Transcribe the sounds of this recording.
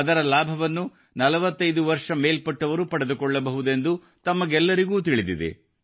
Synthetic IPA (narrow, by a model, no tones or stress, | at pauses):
ɐd̪ɐɾɐlaːbʱɐʋɐnːu | nɐlɐʋɐt̪ːɐjd̪uʋɐɾʂɐmeːlpɐʈːɐʋɐɾupɐɽed̪ukɔɭːɐbɐɦud̪e̞nd̪u | t̪ɐmːɐɡɛlːɐɾiɡuːt̪iɭid̪id̪ḛ